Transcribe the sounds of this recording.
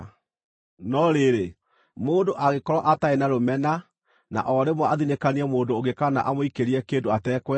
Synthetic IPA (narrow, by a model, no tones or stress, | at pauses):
nɔɾeɾe | moːndoʔaɣekɔɾwaʔataenaɾomɛna | na̰ʔɔɾemwaaðinekaniɛmoːndoːɣekana̰ʔamoikeɾiɛkeːndoatɛːkwɛ